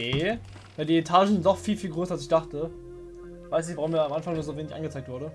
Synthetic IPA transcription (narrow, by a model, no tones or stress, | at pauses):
e | jadiːetʰaːʒn̩zɪntnɔχfiːlfiːlɡʁøːsɐalsɪçd̥aχtə | v̥aɪsnɪçvaʁʊmiːɐamʔanfaŋnuɐzoːveːnɪçʔa̰nɡət͡saɪk̚tvʊɐɾə